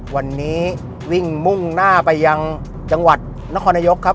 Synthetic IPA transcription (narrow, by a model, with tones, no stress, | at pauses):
wa˧nːiː˦˥ | wi˥˩ŋmu˥˩ŋnaː˥˩pa˧jːa˧ŋ | t͡ɕa˧ŋwa˨˩t̪̚ | na˧˥kʰɔː˧naː˧jo˦˥kʰːa˦˥p̚